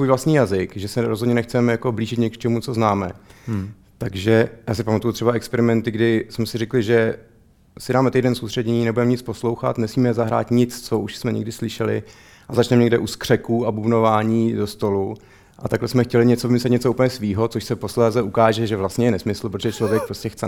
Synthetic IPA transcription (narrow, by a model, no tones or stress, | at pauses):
svuːjvlast̪ɲiːjazɪkʒɛsɛɾo̞zɦodɲɛnɛxt͡sɛmɛjako̞bliːʒɪt̪ɲɛkt͡ʃɛmut͡soznaːmɛ̰ | t̪aɡʒɛjaːsɪpamat̪ujut̪r̥ɛbaɛkspɛɾɪmɛnt̪ɪɡdɪsmɛsɪɾɪklɪʒɛ | sɪdaːmɛt̪ejdɛnsowst̪r̥ɛdɲɛɲiːnɛbudɛmɛɲɪt͡spo̞slo̞wxa̰t̪nɛsmiːmɛzaɦɾa̰ːt̪ɲɪt͡st͡soʔuʃsmɛɲɛ̰ɡdɪslɪʃɛlɪ̰ | ʔazat͡ʃnɛmɲɛɡdɛʔuskr̝̥ɛkuːabubnovaːɲiːdo̞st̪o̞lu | ʔa̰t̪aɡlɛsmɛxcɛlɪɲɛt͡soɪmɪslɛt̪ɲɛt͡souːpəlɲɛsviːɦo̞t͡soʃsɛpo̞slɛːzɛʔukaːʒɛʒɛvlast̪ɲɛjɛnɛsmɪsl̩pɾot̪ʒɛt͡ʃlo̞vjɛk̚pɾo̞scɛxt͡sɛ